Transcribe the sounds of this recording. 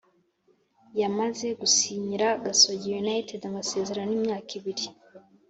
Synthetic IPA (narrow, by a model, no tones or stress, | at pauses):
jamaze̞ɡusiːɲiɾaɡasoɟijunajtedamase̞ze̞ɾaniːmɲaːkiβiɾi